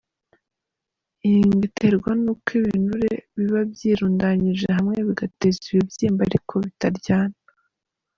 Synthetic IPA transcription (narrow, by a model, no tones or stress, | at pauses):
iiŋɡite̞ɾɡwanukiβḭːnuɾeβiβabjiːɾuːndaɲiʒeɦamŋe̞βiɡate̞ziβibjiːmbaɾikʰo̞βitaɾɟaːna